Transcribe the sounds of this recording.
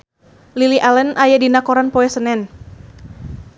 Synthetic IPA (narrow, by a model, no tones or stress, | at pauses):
liliʔalənʔajadinakɔɾanpɔɛsənɛn